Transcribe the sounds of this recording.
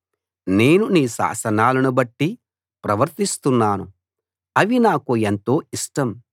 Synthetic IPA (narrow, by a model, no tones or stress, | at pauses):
ne̞ːnuniːʃa̰ːsɐnaːlɐnubɐʈːi | pɾɐʋɐɾt̪ist̪unːaːnu | ɐʋinaːkuent̪o̞ːiʂʈɐm